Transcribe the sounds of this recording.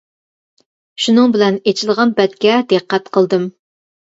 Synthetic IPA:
ʃunɨŋbɪlɛnet͡ʃʰilˠʁɑnpɛt̪kʲɛd̪ɨqʰːɛt̪qʰəlˠd̪ɨm

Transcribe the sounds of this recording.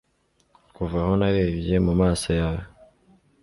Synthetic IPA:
kuvaho̞naɾe̞ːbje̞mumaːsojajo

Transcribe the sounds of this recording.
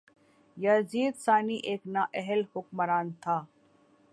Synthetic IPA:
jaziːd̪saːniʔeːknaʔɛɦəlhʊkmɐɾaːnt̪ʰaː

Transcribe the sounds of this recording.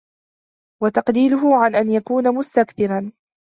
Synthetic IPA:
wat̪ɑqdiːlʊɦʊʕanʔanjakuːnamʊst̪akbɪɾan

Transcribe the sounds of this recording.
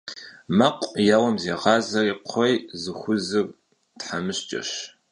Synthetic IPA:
mɐqʷʼjaːwɐmzeːʁɑːzɐriqʷʰɔjzɨxʷʊzɨr | tħamɨɕt͡ʃʼɐ̰ɕ

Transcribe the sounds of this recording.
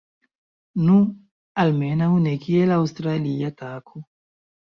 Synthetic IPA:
nũ | almenaunekielawst̪ɾaliat̪akʰu

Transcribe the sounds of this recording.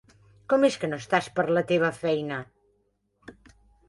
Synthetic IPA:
kɔmeskənost̪aspəɾlət̪eβ̞əfɛjnə

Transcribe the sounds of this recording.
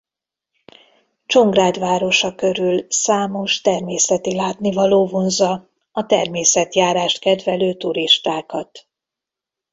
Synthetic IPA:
t͡ʃo̞ŋɡraːd̪vaːɾo̞ʃɒkø̞ɾylsaːmo̞ʃt̪ɛrmeːsɛt̪ilaːt̪nivɒloːvonzɒ | ɒt̪ɛrmeːsɛt̪jaːɾaːʃt̪kɛd̪vɛløːt̪uɾiʃt̪aːkɒt̪

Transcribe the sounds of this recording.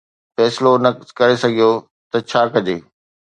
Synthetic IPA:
fɛːsɪlonɐkɐɾesɐɡʱijo | t̪ɐt͡ɕʰaːkɐd͡ʑeː

